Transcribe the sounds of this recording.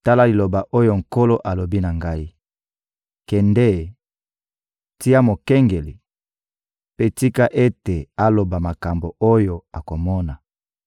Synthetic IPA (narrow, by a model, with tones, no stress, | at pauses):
ta˦la˦li˨lo˨ba˨ʔo˦jo˦ŋ̩˨ko˦lo˦ʔa˨lo˨bi˦na˨ŋɡa˦i˦ | kɛ˨ndɛ˦˨ | ti˦a˦mo˨kɛ˦ŋɡe˨li˨ | pe˦ti˦ka˦ʔe˦te˨a˦lo˨ba˨ma˨ka˨mbo˨o˦jo˨a˨ko˨mɔ˦na˨